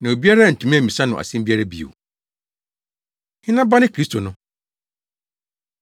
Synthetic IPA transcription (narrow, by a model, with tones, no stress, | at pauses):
nã˨o˨bi˦a˦ɾa˦˨n̩˨tʰũ˨˦m˦a˨mĩ˨sa˦nʊ̃˨ʔa̰˨sɛ̃˦m˦bi˦a˦ɾa˦bḭ˨o̰˨ | hɪ̃˦nã˦ba˦nɪ̃˦kʰɾi˦stʰo˨nʊ̃˦